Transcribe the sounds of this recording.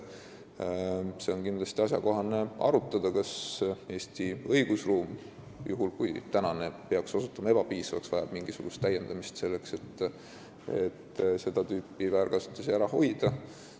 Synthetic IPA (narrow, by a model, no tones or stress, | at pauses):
se̞o̞nkind̪lɑst̪iɑs̬ʲjɑko̞ɦɑne̞ʔɑ̰ɾut̪ːˑɑd̪̥ɑkɑse̞ːsʲt̪iɤiɡ̥usruːm | jʔuɦulkujt̪ænɑne̞pe̞ɑkso̞sut̪ːˑɑmɑe̞b̥ɑpiːsɑvɑ̰ksvɑjɑb̥̚miŋɡ̥isuɡ̥ust̪ːæje̞nd̪̥ɑmist̪se̞lːe̞kse̞t̪ː | e̞̰t̪se̞d̪̥ɑt̪yːpːˑivæːɾkɑsu̥t̪ːˑɑsiæɾɑho̞̰jd̪̥ɑ